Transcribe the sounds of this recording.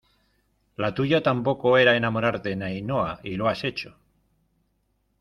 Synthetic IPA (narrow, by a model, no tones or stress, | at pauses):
lat̪uʝat̪ampo̞ko̞eɾaenamo̞ɾaɾt̪e̞najnoailoase̞t͡ʃo̥